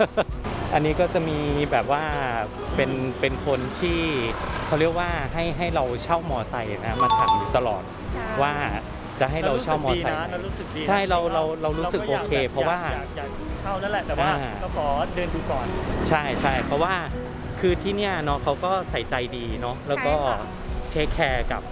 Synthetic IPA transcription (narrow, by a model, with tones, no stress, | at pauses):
ʔa˧nːiː˦˥kɔː˥˩t͡ɕa˨˩miː˧bɛː˨˩p̚waː˥˩ | pe˧npe˧nkʰo˧nt̪ʰiː˥˩kʰa˦˥wɾi˥˩ək̚waː˥˩ɦa˥˩jɦa˥˩jɾa˧wt͡ɕʰa˥˩wmɔː˧sa˧ja˨˩na˦˥kʰa˥maː˧t̪ʰa˩˦ŋjuː˨˩t̪a˧lɔ̰ː˨˩t̪̚ | waː˥˩ | t͡ɕa˨˩ɦa˥˩ɾa˧wt͡ɕʰa˥˨˥wmɔː˧sa˨˧jɾuː˦˥sɯ˨˩k̚diː˧t͡ɕʰa˥˩jɾa˧wɾa˧wɾa˧wɾuː˦sɯ˨kʔoː˧˨˧kʰeː˧pʰɾɔ˦˥waː˥˩ja˨˩jaː˨˩k̚u˧kʰa˥˩wna˥˩lɛ˨˩t̪ɛː˨˩ʔwaː˥˧˥kʰɔː˩˦dɤː˧nduː˧kɔː˨˩nt͡ɕʰa˥˩jt͡ɕʰa˥˩jpʰɔ˦˥waː˥˩ | kʰɯː˧t̪ʰiː˥˩ni˥˩ɐnɔ˦˥kʰa˦˥wkɔː˥˩sa˨˩jt͡ɕa˧jdiː˧nɔ˦˥lɛː˦˥wkɔː˥˩ | t͡ɕʰeː˦˥kʰːɛː˧ka̰˨˩p̚